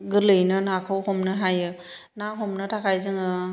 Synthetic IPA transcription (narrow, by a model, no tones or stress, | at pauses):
ɡɯlɯjnɯnakʰɔwhɔmnɯɦajɯ | naɦɔmnɯtʰakʰajzɯŋɯ